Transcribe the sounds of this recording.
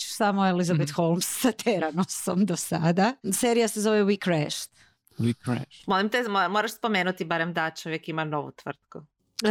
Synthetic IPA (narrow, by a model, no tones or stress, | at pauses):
t͡ʃsamoelizabet̪xolˠmsːat̪ʰeɾanosomd̪osad̪aseːɾijasezo̞ʋewikɾɛʃt̪ | wikɾɛ̰ʃmolˠimt̪emomoɾaʃspomeːnut̪ibaɾemd̪at͡ʃoʋjekimanoʋṵt̪ʋr̩t̪̚ku